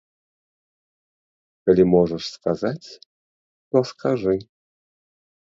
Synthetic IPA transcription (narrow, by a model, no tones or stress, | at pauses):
kalʲimɔʐəʂskazat͡sʲ | t̪ɔskʰaʐɨ